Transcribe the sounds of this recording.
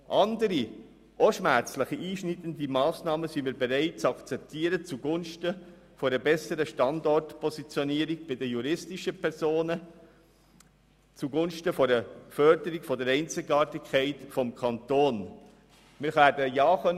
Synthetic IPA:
ʔɑndəɾi | ʔɔʃmæɾt͡sləχiiːʃnitən̩dimɑːsnɑːməsimiːɾbɛɾæɪt̚t͡sɑkt͡sɛp̚tʰiːəɾət͡suɡʊnʃtə | foɾəbɛsəɾəʃtɑndɔrtpʰɔsit͡sjɔniːɾiɡ̚b̥ɪdəjuɾɪstɪʃəpʰɛɾsoːnə | t͡suɡʊnʃtəfoɾəfœɾdəɾikfɔdəɾɛɪnt͡sɪɡɑːtɪkχɛɪtfɔmkʰɑnt̪oːn | mɪːɾχæːɾdəjɑːχœn

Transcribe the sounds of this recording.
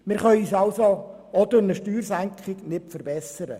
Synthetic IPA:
mɪɾχœʏiːsɑlso | ɔd̪əɾnəʃtyːɾsæŋkχɪɡnɪpfəɾbɛsəɾə̰

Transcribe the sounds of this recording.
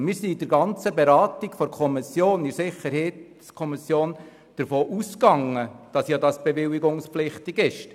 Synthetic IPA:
mɪːɾsiːdəɾɡɑnt͡səbeɾɑːt̪iɡ̥fɔɾkʰɔmisjoːnɪsɪχəɾhɛt | skʰɔmisjoːn | d̥əɾfoːʔuskɑŋːəd̥ɑsjɑdɑsb̥eʋɪliɡʊŋsplɪχtiɡɪʃ

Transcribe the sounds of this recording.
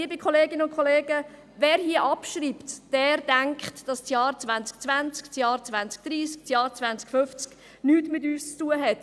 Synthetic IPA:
iəbɪkχɔleːɡɪnəʊnkʰχɔleːɡə | vɛːɾhiəʔɑpʃɾiːptd̥ɛːɾd̥æŋkχtd̥ɑst͡sjɑːɾt͡svænt͡sk̚t͡sʋænt͡skt͡sjɑːɾt͡svænt͡sk̚d̥ɾiːsk̚sjɑːɾt͡svænt͡skfʏft͡sk | nyːtmɪtyːst͡stuːəɦɛt

